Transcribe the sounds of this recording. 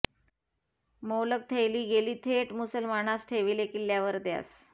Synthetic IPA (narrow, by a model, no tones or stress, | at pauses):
mowlək̚t̪ʰejliːɡeliːt̪ʰeʈmusəlmaɳasʈʰeʋilekiljaʋəɾd̪ja̰s